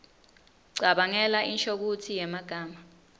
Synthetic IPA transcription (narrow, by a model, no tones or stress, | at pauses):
ɡ͡ǀʱaɓaŋɛlaʔinʃok̬utʰijɛmaɡ̥ʱaːma